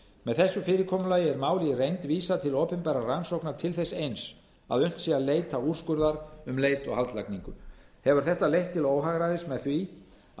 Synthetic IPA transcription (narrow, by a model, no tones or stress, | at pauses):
mɛðθɛsːʏfɪːɾɪɾkʰɔːmʏlaːjɪɛɾmaːwlɪrejnt̪viːsat̪ʰɪlɔːpɪnpaɾaransowknaɾ̥t̪ʰɪlθɛsejns | a̰ðœɥn̥t̪sialeːjt̪aur̥skʏɾðaɾʏmleːjt̪ɔɣhalt̪lajkniŋkʏhɛvʏɾ̥θɛht̪alejht̪ʰːɪloːwɦaɣɾaðɪsmɛðθvi